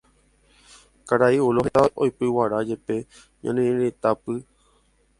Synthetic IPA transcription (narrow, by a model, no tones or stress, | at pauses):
kaɾaioloɦet̪aʔojpɨwaɾad͡ʒepe | ɲã̰nĩɾet̪apɨ